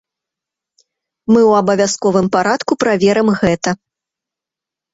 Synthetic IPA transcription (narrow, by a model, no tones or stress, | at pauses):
mɨwɐbɐvʲaskɔvɨmpaɾat̪kupɾavʲɛɾɐmɣɛt̪ɐ